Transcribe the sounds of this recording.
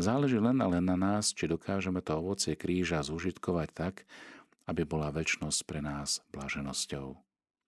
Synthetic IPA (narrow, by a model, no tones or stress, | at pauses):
zaːlɛʒiːlɛnalɛnːanaːst͡ʃid̪ɔkʰaːʒɛmɛt̪ɔɔʋɔt͡sɪɛkɾiːʒazuʒit̪kɔʋact̪ak | abibɔlaʋɛt͡ʃnɔsc̚pɾɛnaːz̥b̥laːʒɛnɔscɔʊ